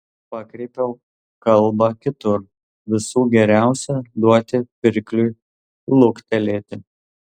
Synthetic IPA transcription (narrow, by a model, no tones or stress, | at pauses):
pɑkɾʲɛɪpʲɛʊ | kɐlˠbɐkʲɪt̪ʊɾ | ʋʲɪsuːɡʲɛɾʲæˑʊsʲɛd̪uɔt̪ʲɪpʲɪɾʲklʲu | lˠʊkt̪ʲɛlʲeːt̪ʲɪ